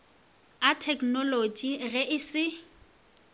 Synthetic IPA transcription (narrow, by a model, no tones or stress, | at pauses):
atʰɛknɔlod͡ʒiɣɛʔɪsɪ